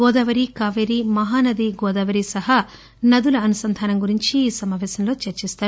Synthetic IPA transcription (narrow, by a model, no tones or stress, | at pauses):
ɡɔːd̪ɐʋɐɾikaːʋeɾimɐɦaːnɐd̪iɡɔːd̪ɐʋɐɾisɐɦɐ | nɐd̪ulɐːnusɐnd̪ʱaːnɐmɡuɾiɲt͡ʃiːsɐmaːʋɛːsɐmlo̞ːt͡ʃɐɾt͡ʃist̪aːɾu